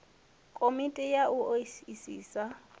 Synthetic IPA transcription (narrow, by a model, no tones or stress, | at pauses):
kʼomitʼɛjaʔuoisiːsa